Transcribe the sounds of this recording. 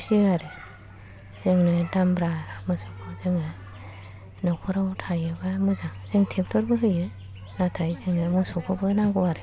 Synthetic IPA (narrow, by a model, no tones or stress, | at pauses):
siaɾɯ | z̥eŋnɯdambɾamɯsɔkʰɯzeŋɯ | nakʰuɾawtʰajɯbamɯzazeŋtʰep̚tʰɔɾbɯɦɯjɯ | natʰajzeŋnɯmɯsɔkʰɔbɯnaɡowaɾɯ